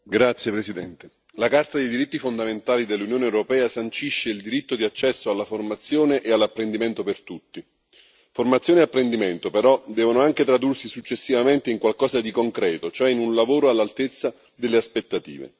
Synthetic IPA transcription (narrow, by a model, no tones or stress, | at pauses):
ɡɾat̪sːjepɾesid̪ɛnt̪e | lakart̪ad̪ejd̪iɾit̪ːifond̪ament̪aːlid̪elːunjoːneɛwɾopɛːasant͡ʃiʃːeild̪iɾit̪ːod̪iat͡ʃːɛsːoalːaformat̪sːjoːneʔealːapːɾend̪iment̪opert̪ut̪ːi | format̪sjoːneapːɾend̪iment̪opeɾɔd̪ɛːvonoaŋk̟et̪ɾad̪ursisut͡ʃːesːivament̪eiŋkwalkɔːzad̪ikoŋkɾɛːt̪ot͡ʃoɛinunlavoːɾoalːalt̪et̪sːa | d̪elːeaspet̪ːat̪ḭːvḛ